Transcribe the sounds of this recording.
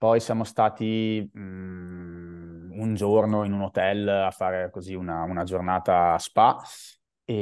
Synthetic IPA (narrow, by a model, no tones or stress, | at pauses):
pɔjsjaːmost̪aːt̪i | und͡ʒornoinunot̪ɛlafːaːɾekoziunaunad͡ʒornaːt̪aːspa | e